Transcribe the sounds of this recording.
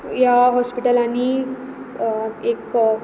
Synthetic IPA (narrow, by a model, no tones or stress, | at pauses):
jaɦɔspiʈəlañi | ek